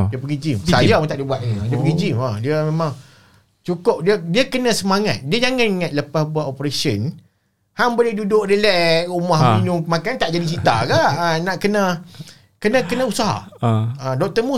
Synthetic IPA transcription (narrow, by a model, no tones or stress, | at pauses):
diəpəɡid͡ʒimsajamut̪aʔdibuat̪̚iadiəpəɡid͡ʒimadiəmẽmãŋ | t͡ʃukʊp̚diədiəkənə̃səmaŋat̪̚diəd͡ʒaŋaniŋat̪̚ləpasbuat̪opɾesiən | haŋbolehdudʊk̚dəlɛʔumahuɲʊŋmakant̪aʔd͡ʒadisit̪a̰kanaʔkənə | kənə̃kənə̃usaɦa̰adɔk̚t̪əmu